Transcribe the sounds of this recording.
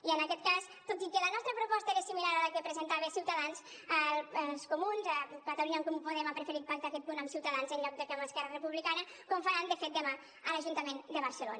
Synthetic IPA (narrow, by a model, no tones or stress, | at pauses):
iənəkɛt̪̚kas | t̪ot̪ikələnɔst̪ɾəpɾupɔst̪əeɾəsimilaɾaləkəpɾəzənt̪aβesiwt̪əðans | əskumunzəkat̪aluɲaŋkompuðɛmapɾəfəɾit̪̚pakt̪akɛt̪̚punəmsiwt̪əðanzəɲʎɔk̚d̪əkaməskɛɾərəpuβlikanə | kɔmfəɾand̪əfɛt̪̚d̪əma | ələʒunt̪əmend̪əβəɾsəlo̰nə